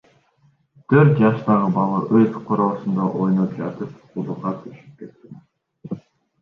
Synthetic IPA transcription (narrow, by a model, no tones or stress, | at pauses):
t̪ʰøɾt̪̚d͡ʒɑʃt̪ɑʁɯbɑlˠɯʔøzqʰoɾo̞ːsund̪ɑʔojnop̚d͡ʒɑt̪ɯp̚ | ud̪ˠuqɑt̪ʰyʃy̥p̚ke̞t̪ːin